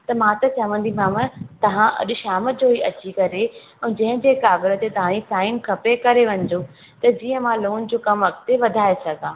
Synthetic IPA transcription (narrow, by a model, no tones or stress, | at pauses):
t̪ɐmãt̪ɐt͡ɕɐʋə̃nd̪imãmə̃t̪ɐʋ̤ãʔɐ̰ɗʊʃaːmə̆d͡ʑoːɦiʔɐt͡ɕikɐɾe | ɛ̃ːd͡ʑɐ̃ɦɪ̃d͡ʑeːkaːɡɪɾə̆t̪et̪ɐʋ̤ãnisaːɪnkʰɐpekɐɾeʋɐ̃ɲ̆d̪o | t̪ɐd͡ʑiːə̃mãloːnd͡ʑoːkɐmʋɐkt̪eʋɐd̪ʱaːesɐɡʱãː